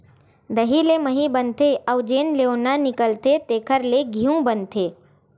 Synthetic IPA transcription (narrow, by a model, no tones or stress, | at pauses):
d̪əɦileməɦibənt̪eʔəʊd͡ʒeːnleonanɪkəlt̪et̪eːkʰəɾleɡʱiũbənt̪ʰeː